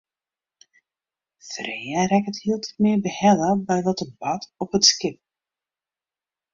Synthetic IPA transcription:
frejəɾɛkəthiːlˠtʰitmɪːbəhɛləbɛjʋɔtəbɑtɔpətskɪp̚

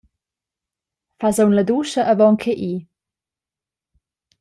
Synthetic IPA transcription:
fazownləd̪uːʃəʔəvɔŋkʰeʔiː

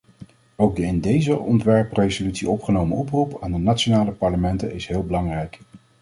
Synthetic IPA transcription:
owk̚dəɪndejzəʔɔntʋɛɹprejzolytsiɔpχənowməɔprupaːndənatt͡ʃonaːləpɑɹləmɛntənɪsɦɪːlˠbəlɑŋrɛjk

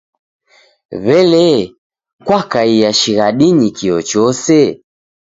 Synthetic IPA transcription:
βɛlɛ | kwakaijaʃiɣaɗiɲikiɔt͡ʃɔsɛ

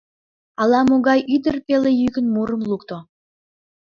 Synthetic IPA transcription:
ɑlɑmoɣɑjʔyd̪ərpelejyɣənmuɾəmlukt̪o

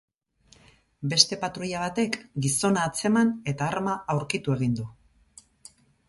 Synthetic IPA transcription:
be̞st̪e̞pat̪ɾuʎaβ̞at̪e̞kɡiso̞naːt͡se̞mane̞t̪aːɾmaawɾkit̪ue̞ɣ̞ind̪u

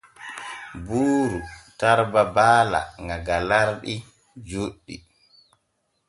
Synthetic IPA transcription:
buːɾutaɾbabaːla̰ŋɡaɡalaɾɗi | d͡ʒuɗːḭ

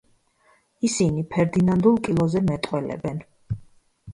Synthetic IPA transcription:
isinipʰɛɾd̪inand̪ulˠkʼilˠɔzɛmɛt̪ʼwɛlɛ̰bɛn

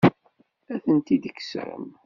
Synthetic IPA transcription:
æθənt̪id̪əkːə̥sɾə̰m

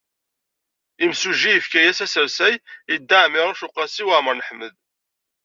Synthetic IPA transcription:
imsuʒijəfkæjæsæsəɾsæjid̪ːaʕmiʁəʃʊqːɑsiwaʕməɾnəħməð

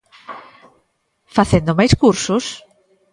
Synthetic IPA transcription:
faθend̪omajskuɾsʊs

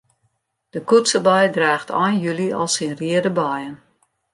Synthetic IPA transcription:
d̥əkutsəbajdraːxtʰɔjnjyliɔ̰lˠsinriədəbɔjən

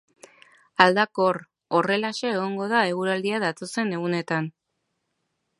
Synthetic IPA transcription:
ald̪ako̞r | o̞re̞laʃeːɣ̞o̞ŋɡo̞ðae̞ɣuɾald̪iaðat̪o̞se̞ne̞ɣune̞t̪an

